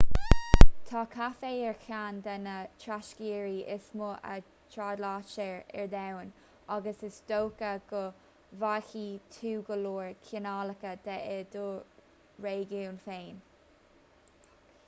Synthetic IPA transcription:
t̪ʰɑːkʰafeːɛɹkʰaːnd̪ɛnət͡ʃʰɾaʃkiːɹiʔɪsmʊʔə̰ | t͡ʃʰaːd̪lat͡ʃɛɹɛ̰ɹd̪awn | aɡəsɪsd̪̥owkəɡ̥ɔ | vaxiːt̪ʰuːɡəluːɹkʰɪnɑːləkəd̪̥ɛʔɛd̪ʊ | ɹeːɡuwnfeːn

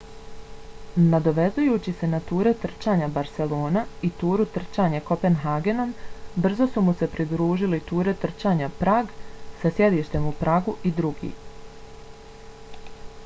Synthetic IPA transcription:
nad̪o̞ʋe̞zujuːt͡ɕise̞nat̪uːɾe̞t̪r̩t͡ʃaːɲabaɾse̞loːnait̪uːɾut̪r̩t͡ʃaːɲako̞pe̞nɦaɡe̞nombr̩zo̞sumuse̞pɾid̪ɾuːʒilit̪uːɾe̞t̪r̩t͡ʃaːɲapɾaːɡsasje̞d̪iʃt̪e̞mupɾaɡuʔid̪ɾuɡḭː

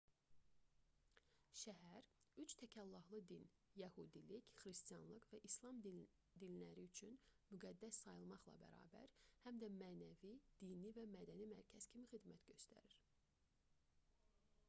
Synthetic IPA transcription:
ʃæɦæɾyt͡ʃt̪ʰæcʰælˠːɑɦlˠɯd̪injæhud̪ilicχɾist̪ijɑnlˠɯkvæʔislˠɑm | d̪inlæɾiyt͡ʃʰynmyɡæd̪ːæsːɑjɯlˠmɑχlˠɑ̰bæ̰ɾɑ̰ːbæ̰ɾhæmd̪æmæːnævid̪̥inivæmæd̪ænimæɾcʰæz̥cʰimixid̪mæt̪ɟø̞st̪æ̰ɾiɾ̥

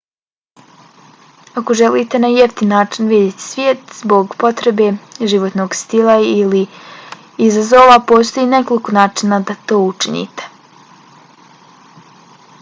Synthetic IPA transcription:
ako̞ʒelit̪e̞najeft̪inːaːt͡ʃinʋid̪jet̪i̥sʋjeːt̪z̥bo̞ɡpo̞t̪ɾe̞beʒiʋo̞t̪no̞ɡst̪ilˠaili | izazoʋapo̞ːst̪o̞jine̞ko̞liko̞naːt͡ʃinad̪at̪o̞ːut͡ʃḭnḭːt̪e̥

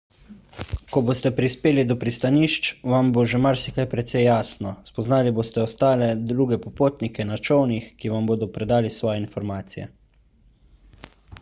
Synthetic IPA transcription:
kɔboːst̪ɛpɾispeːlid̪ɔpɾist̪aniʃt͡ʃʋamboʒɛmaɾsikajpɾɛt̪sɛjːaːsnɔspɔznaːliboːst̪ɛɔst̪aːlɛd̪ɾuːɡɛpɔpoːt̪nikɛnat͡ʃownixkiʋamboːd̪ɔpɾɛd̪aːlisʋɔːjɛinfɔɾmaːt̪sijɛ̰

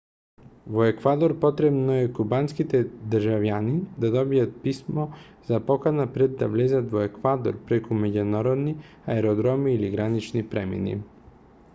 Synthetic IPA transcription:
voɛkvad̪oɾpɔt̪ɾɛbnɔɛkubanskit̪ɛd̪rʒavjanid̪ad̪ɔbijat̪̚pismo | zapɔkanapɾɛd̪̚ːa̰vlɛzat̪voɛkvad̪o̰ɾpɾɛkumɛɟunaɾod̪ni | aɛɾod̪ɾɔmiːliɡɾanit͡ʃnipɾɛmḭnḭ

